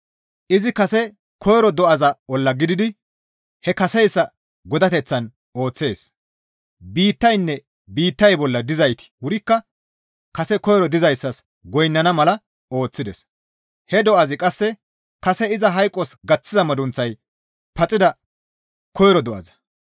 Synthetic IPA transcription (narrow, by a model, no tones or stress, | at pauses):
ʔɪzɪkɐsɛ | kʰɔjɾɔd̪ɔʔɐzɐɔlːɐɡɪd̪ɪd̪ɪ | hɛkɐsɛjsːɐ | ɡɔd̪ɐt̪ɛt͡sːɐn | o̞ːt͡sːe̞ːs | biːt̪ːɐjnːɛ | biːt̪ːɐjbɔlːɐd̪ɪzɐjt̪ɪ̥wʊɾɪkːɐ | kɐsɛkɔjɾɔd̪ɪzɐjsːɐs | ɡɔjnːɐnɐmɐlɐ | o̞ːt͡sːɪd̪ɛs | hɛd̪ɔʔɐzɪkʼɐsːɛ | kɐsɛɪzɐɦɐjkʼːɔsɡɐt͡sːɪzɐmɐd̪ʊnt͡sːɐj | pɐt͡sʼːɪd̪ɐ | kɔjɾɔd̪ɔʔɐ̰zɐ̥